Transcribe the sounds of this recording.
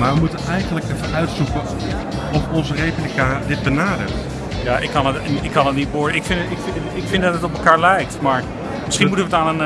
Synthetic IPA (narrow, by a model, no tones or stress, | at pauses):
maːɹʋəmutənɛjχənləkəəœɥtsukə | ɔfɔnzərejplikadɪt̚bənaːdə̰rt | jaːʔɪkːɑnətnɪkʰːɑnətnitboːɹdəɪkfɪnɪk | ɪkfɪndɑtətɔp̬əlˠkaːɹlɛjk̚tmaːɹ | mɪsχinnmutəʋətaːnən